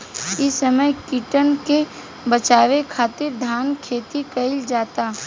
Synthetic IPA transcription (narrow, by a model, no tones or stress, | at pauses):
ɪsɐməjkiʈənke | bət͡ʃaːʋekʰaːt̪ɪɾd̪ʱaːnkʰeːt̪ikɐɪld͡ʒaːt̪aː